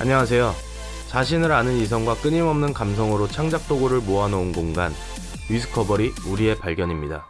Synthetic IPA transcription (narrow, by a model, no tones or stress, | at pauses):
a̰ɲʌŋas̬ʰe̞jo | t͡ɕaɕ̬ʰinɯɾanɯnis̬ʰʌŋɡwak͈ɯɲimʌmnɯnkams̬ʰʌŋɯɾot͡ɕʰaŋd͡ʑak̚t͈oɡoɾɯɭmoanounɡoŋɡan | ɥis̬ʰɯ̥kʰʌbʌɾiuɾie̞paɭɡjʌɲimɲida̰